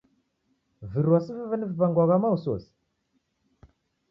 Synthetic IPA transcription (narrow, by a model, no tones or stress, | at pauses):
viɾwasəvəvənəvbaŋɡʷaɣamawuso̰s